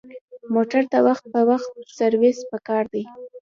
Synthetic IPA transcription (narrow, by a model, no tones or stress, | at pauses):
moʈaɾt̪awaxt̪̚pəwaxt̪̚saɾwespəkɑɾd̪aj